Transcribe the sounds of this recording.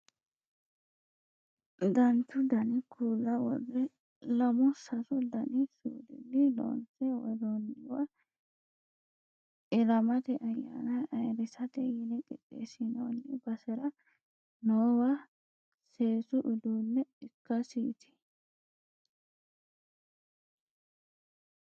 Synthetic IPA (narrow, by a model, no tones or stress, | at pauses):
d̪ɐnt̪ːʊd̪ɐnɪkʰuːlːɐwɔ̰dɛ | lɐmɔsɐsʊd̪ɐnɪsuːd̪ɪ̰nːɪlo̰ːnt͡sɛwɔ̰d̪ɔnːɪwɐ | ɪlɐmɐt̪ɛʔɐjːa̰ːnɐɐjɾɪsɐt̪ɛjɪnɛkʼɪɗḛːsɪnonːɪbɐsɛɾɐ | noːwɐ | seːsʊʔɪd̪uːnːɛɪkːɐsiːt̪ʰɪ̥